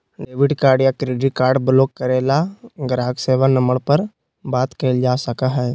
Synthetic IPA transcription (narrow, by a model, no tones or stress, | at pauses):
ɖeːʋɪɖkaːɾɖjakɾeːɖɪʈ̚kaːɾɖbloːkːəɾeːlaɡəɾaːɡseːʋanəməɽpəɾ | baːt̪keld͡ʒaːsəkaɦɛː